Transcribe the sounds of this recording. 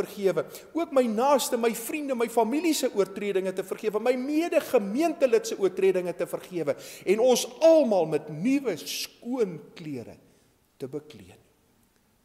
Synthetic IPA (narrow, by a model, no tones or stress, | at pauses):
ərχiəvə | uəkməjnɑːstəməjfrindəməjfɐmilisəʔuərtriədəŋətəfərχiəvəməjmiədəχəmiəntələtsəʔuərtriədəŋətəfərχiəvəɛnɔsɐlˠmɑːlˠmɛtnivəskuənkliəɾə̰ | təbəklḭən